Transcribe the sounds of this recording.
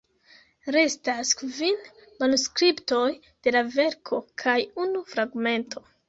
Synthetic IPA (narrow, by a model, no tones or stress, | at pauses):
ɾe̞staskvin | manuskɾipto̞j | d̥e̞lave̞ɾkʰo̞kʰajunufɾaɡme̞ntʰo̞